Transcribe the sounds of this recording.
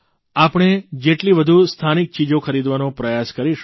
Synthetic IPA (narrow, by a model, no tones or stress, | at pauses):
apəɳ̃ed͡ʒeʈliʋəd̪ʱust̪ʰanik̚t͡ʃid͡ʒokʰəɾid̪ʋanopɾəjaskəɾiʃ